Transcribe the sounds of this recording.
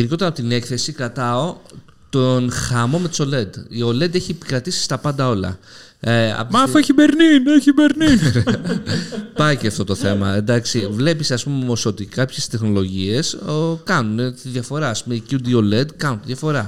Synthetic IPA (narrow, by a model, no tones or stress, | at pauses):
iɾiʝo̞t̪eɐpot̪ine̞kθe̞sikɾɐt̪ɐo̞ | t̪onxɐmo̞me̞t̪so̞le̞d̪io̞le̞d̪eçiepi̥kɾɐt̪isi̥st̪ɐpɐnd̪ɐo̞lɐ̰ | ɐ̰mɐfeçibeɾnineçibeɾnin | pɐiceɐft̪o̞t̪o̞θe̞mɐend̪ɐksivle̞piseɐspumomo̞so̞t̪ikɐpçe̞st̪e̞xno̞lo̞ʝie̞sokɐnunet̪iðʝɐfo̞ɾɐːspumeicud̪io̞le̞d̪kɐnunt̪iðjɐfo̞ɾɐ